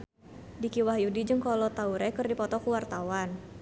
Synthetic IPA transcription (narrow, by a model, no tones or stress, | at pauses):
dikiwahjudid͡ʒəŋkɔlɔt̪auɾɛkərdipɔt̪ɔkuwart̪awan